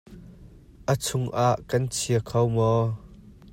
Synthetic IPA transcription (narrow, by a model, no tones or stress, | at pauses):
ʔət͡sʰʊŋʔaːʔkɐnt͡sʰiəkʰɐwmɔː